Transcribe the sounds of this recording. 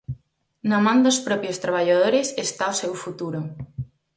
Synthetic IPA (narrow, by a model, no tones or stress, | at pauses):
namãnd̪ospɾɔpjost̪ɾaβ̞aʎaðoɾesest̪aosewfut̪uɾo